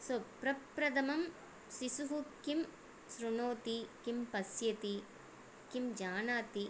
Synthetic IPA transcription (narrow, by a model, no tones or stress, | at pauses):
sopɾɐpɾɐd̪ɐmɐm | sisuɦukim | sɾunoːt̪ikimpɐsjɐt̪i | kimd͡ʒaːnaːt̪i